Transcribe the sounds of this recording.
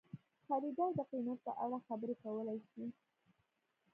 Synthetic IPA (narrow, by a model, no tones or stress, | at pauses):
xaɾid̪ɑwd̪əqinat̪̚pə̰ʔaɽaxabəɾekawəlajʃi